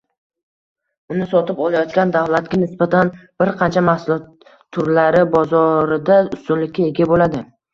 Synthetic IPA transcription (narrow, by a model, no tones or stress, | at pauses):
ʊnɪsɒt̪ɪpɒlajɒt̪̚kʲand̪avlat̪ɡʲanɪsbat̪ʰanb̥ɪɾqʰɑnt͡ʃʰamahsʊlɒt̪ʰː | ʊɾlaɾɪbɒzɒɾɪd̪aʊst̪ʊlːɪkʲʰːaeɡʲabolad̪ɪ